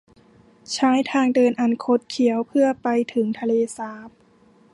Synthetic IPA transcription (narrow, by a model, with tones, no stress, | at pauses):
t͡ɕʰaː˦˥jt̪ʰaː˧ŋdɤː˧nʔa˨˧nkʰo˧˥t̪̚kʰi˨˩˦əwpʰɯ˥˩ɐpa˧jt̪ʰɯ˩˦ŋt̪ʰa˧leː˧saː˧˦˥p̚